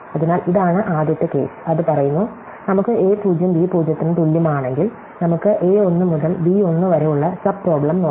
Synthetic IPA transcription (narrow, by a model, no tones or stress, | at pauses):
ɐðinaːliðaːɳɨʔaːd̪jɐt̪ːɐke̞̰ːsɨ̥ɐðɨpɐrɐjunːu | nɐmukːɨʔeːpuːd͡ʑjɐmbiːpuːd͡ʑjɐt̪ːinɨt̪ulːjɐmaːɳe̞ŋɡil | nɐmukːɨʔeːo̞nːɨmuðɐlbiːo̞nːɨʋɐɾejuɭːɐsɐb̚pro̞ːbɭɐmnoː